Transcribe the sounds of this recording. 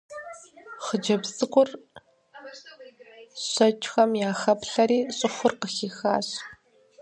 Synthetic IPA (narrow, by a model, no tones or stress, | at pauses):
χəd͡ʒɐbsʼɨkʷʼʊr | ɕʷɐt͡ʃʼxɐmjaːxɐpɬɐɾiːɕʼɪχʷʊrqəxiːxa̰ːɕ